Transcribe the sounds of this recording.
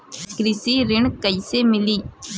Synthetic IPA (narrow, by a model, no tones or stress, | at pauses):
kɾɪsiɾɪɳkəisemɪliː